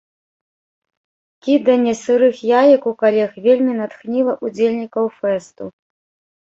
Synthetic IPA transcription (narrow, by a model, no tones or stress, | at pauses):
kʲid̪ɐnʲːɛsɨɾɨxjajɐkukalʲɛxvʲelʲmʲinat̪xnʲilˠɐʔud͡zʲelʲnʲikɐwfɛst̪u